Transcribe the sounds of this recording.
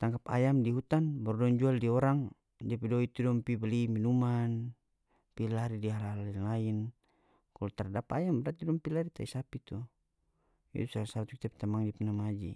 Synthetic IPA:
t̪aŋkapa̰jamdiɦut̪anbɔrdɔnd͡ʒualdiɔɾaŋ | d͡ʒapidɔit̪udɔmpibɛliminuman | pilaɾidiɦalaalinlain | kalɔt̪ardapajambɾat̪idɔmpilaɾit̪aisapit̪u | ḭt̪usaasaat̪uki̥t̪ap̚t̪amaŋd͡ʒipənamad͡ʒḭ

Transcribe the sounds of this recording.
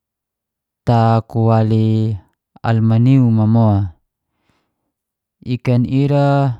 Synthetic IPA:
t̪akuwali | a̰lmaniumamoa | ikaniɾa

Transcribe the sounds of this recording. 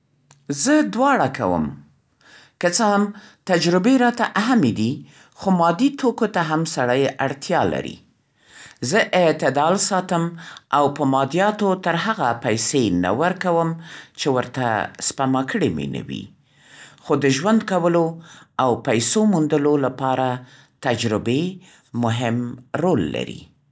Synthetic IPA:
zəd̪wɑɽaka̰wə̰m | kət͡səhamt̪ad͡ʒɾɪbeɾɑt̪aʔaɦamed̪i | xomɑd̪it̪okot̪aɦamsaɽajaɽt̪ʰjɑla̰ɾḭ | zəʔɪt̪ɪd̪ɑlsɑt̪əmʔawpəmɑd̪ijɑt̪ot̪əɾɦaɣapajsena̰wəɾkawəmt͡ʃewəɾt̪a̰spamɑkʰəɽemḭna̰wḭ | xod̪əʒwand̪kawəloawpajsomund̪əlolapɑɾa | t̪ad͡ʒɾɪbe | mʊɦɪmɾolːa̰ɾḭ

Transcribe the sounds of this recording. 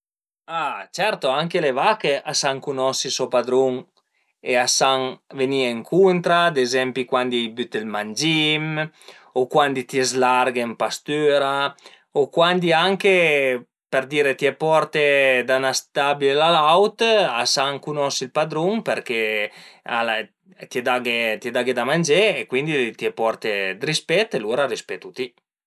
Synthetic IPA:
at͡ʃɛɾt̪oaŋkelevakeʔasaŋkunɔsisɔpad̪ɾuŋ | easaŋvenieŋkʰunt̪ɾad̪ezɛmpikwand̪ijbyt̪elmand͡ʒim | okwand̪it̪iezlaɾɡempast̪yːɾa | okwand̪iaŋke | peɾd̪iːɾet̪iɛpɔɾt̪ed̪anast̪abilelalawt̪asaŋkunɔsilpad̪ɾuŋpeɾke | a̰la | t̪ied̪aɡet̪ied̪aɡed̪amand͡ʒeːkwind̪it̪iɛpɔrt̪ed̪ɾispɛt̪ːeluːɾaɾispɛt̪ːut̪i

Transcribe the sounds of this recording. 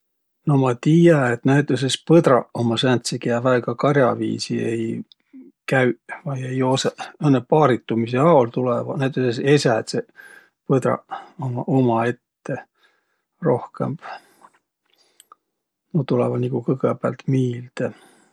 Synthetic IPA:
no̞mɑt̪iːjɑet̪næjt̪ːˑes̬espɤd̪ɾɑomɑsænt̪sikeɑvæːɡɑkɑrjɑvḭːsiḛj | kæɥvɑjejo̞seɤnːepɑːɾit̪ːˑumiseɑolt̪ulevɑnæjt̪ˑesesesæt̪se | pɤd̪ɾɑ̰omɑʔomɑe̞t̪ːe̞ | ro̞hke̞̰mb̥ | not̪ulḛvɑnikukɤɡebæ̰lt̪miːld̪̥e

